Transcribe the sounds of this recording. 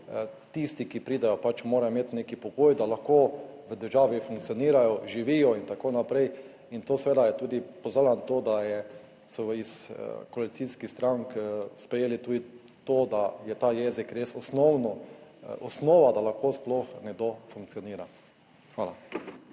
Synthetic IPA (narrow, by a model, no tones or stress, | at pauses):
t̪ist̪ikipɾiːd̪ɛjɔpat͡ʃmoːɾajmeːt̪neːkipɔɡoːjd̪alaxkoːʋəd̪əɾʒaːʋifuŋk̚tsijɔniːɾajɔʒiʋiːjɔint̪akoːnapɾɛj | int̪oːsʋeːd̪ajɛt̪uːd̪ipɔzaːlant̪oːd̪ajɛ | sɔiskɔalit̪siːskixst̪ɾaŋkspɾɛjeːlit̪uːd̪i | t̪oːd̪ajɛt̪aːjɛːzikɾeːsɔsnɔwnɔɔsnoːʋad̪alaxkoːsploxnɛɡ̚d̪ofuŋk̚tsijɔniːɾa | xʋaːla